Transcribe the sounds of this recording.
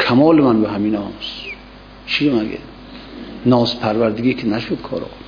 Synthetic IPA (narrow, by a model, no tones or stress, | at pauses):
kʰamɔːlɪmanbaɦaminɔs | t͡ʃʰiɾɔmaɡḛd̪ | nɔspʰaɾvaɾd̪ɪɡikʰinaʃud̪kʰɔ̰ːɾɔ̰